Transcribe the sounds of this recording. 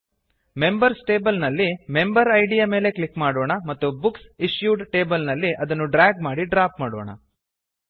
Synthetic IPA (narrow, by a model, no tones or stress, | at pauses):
me̞mbɐɾsʈe̞ːbɐlnɐlːime̞mbɐɾɐjɖijame̞ːle̞klikːmaːɽoːɳɐmɐt̪ːubuksiʂjuːɖʈe̞ːbɐlnɐlːiʔɐd̪ɐnːuɖɾaːɡ̚maːɽiɖɾaːpmaːɽo̰ːɳɐ̰